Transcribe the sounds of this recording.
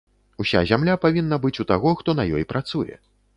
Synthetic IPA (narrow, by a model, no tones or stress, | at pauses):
usʲa̰zʲamlʲapavʲinːɐbɨt͡sʲut̪aɣɔxt̪ɔnɐjɔjpɾat̪sujɛ̰